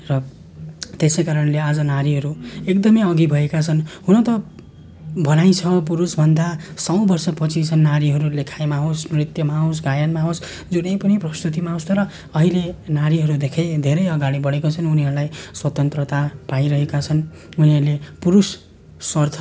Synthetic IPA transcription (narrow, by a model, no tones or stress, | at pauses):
rʌ | t̪esejkaɾʌnlead͡zʌnaɾiɦʌɾuekd̪ʌmʌjʌɡibʱʌekat͡sʰʌnhunʌt̪ʌ | bʱʌnaj̃t͡sʰʌp̬uɾusbʱʌnd̪asʌw̃bʌrsʌpʌt͡sʰit͡sʰʌnːaɾiɦʌɾulekʰajmaɦosnrit̪jʌmaɦos̬ɡajanmaɦos | d͡zunʌjpʌniprʌst̪ut̪̬imaɦõst̪ʌɾʌ | ʌɦilenaɾiɦʌɾud̪ekʰed̪ʱeɾʌjʌɡaɽibʌɽekot͡sʰʌnuniɦʌɾulajswʌt̪ʌnt̪rʌt̪apaiɾʌɦekat͡sʰʌn | uniɦʌɾulepuɾusː | ʌrt̪ʰʌ